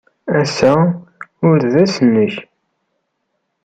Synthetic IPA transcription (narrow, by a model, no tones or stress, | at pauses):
æsæ | ʊɾðæsənːəç